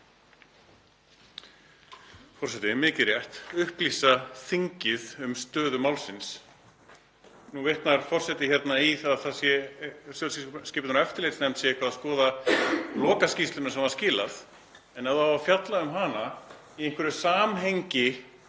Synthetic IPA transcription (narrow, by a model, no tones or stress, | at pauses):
fɔr̥sɛt̪ɪmɪːcɪɾjɛht̪ʏhplisaθiɲcɪðʏmst̪œːðʏmawlsɪns | nuveht̪naɾ̥fɔr̥sɛt̪ɪçjɛt̪naiθaðθasjɛsjœsskɪːpɪt̪ːɛft̪ɪɾlejt̪snɛmt̪sjɛɛhkvaðaðskɔːðalɔːkascist̪ʏnasɛmvað̥scɪːlaθ | ɛnaðawvafjat̪laʏmɦaːna | ieŋ̥kʰvɪɾʏsaːmɦejɲcɪ